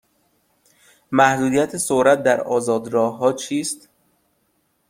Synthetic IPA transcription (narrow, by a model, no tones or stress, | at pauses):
mæhd̪uːd̪ijæt̪ʰesoɾæt̪̚d̪æɾɒ̰ːzɒːd̪ɾɒːɦɒːt͡ʃʰiːst̪